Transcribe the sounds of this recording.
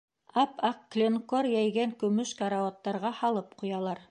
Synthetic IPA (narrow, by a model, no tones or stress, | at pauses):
ɑpɑqːlʲenkoɾjæjɡæŋkɵ̆mɵʃkaɾaot̪ːɑɾʁɑhɑlˠɤp̚qujɑlˠɑɾ